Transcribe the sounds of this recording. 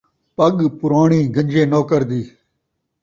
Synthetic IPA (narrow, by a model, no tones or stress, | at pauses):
pəɠpʊɾaːɳiːɡə̃nd͡ʒẽːnoːkəɾd̪iː